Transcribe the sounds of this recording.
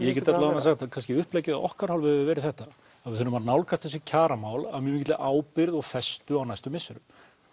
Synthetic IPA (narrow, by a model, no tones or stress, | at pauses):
jɛcɛɾt̪atlaanːasaxt̪akʰanscɪʏhpleːjcɪaʔɔ̰hkaɾhalvʏhɛvɪvɛːɾɪθɛht̪a | avɪðθʏnːʏmaɾnawlkʰast̪θɛs̬ːɪcʰaːɾamaːwla̰ðmjʏmicɪt̪lɪʔaːwpɪɾðɔɣfɛst̪ʏawnajst̪ʏmɪsʏɾʏ̰m